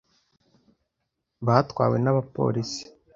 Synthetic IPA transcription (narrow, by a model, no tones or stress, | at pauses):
βaːtkwa̰ːwe̞naβapo̞̰ːɾisi̥